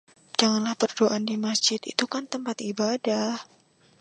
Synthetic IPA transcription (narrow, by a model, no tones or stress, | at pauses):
d͡ʒaŋanlahpərdoʔandimasd͡ʒɪt̪ḭt̪ukant̪əmpat̪ibadah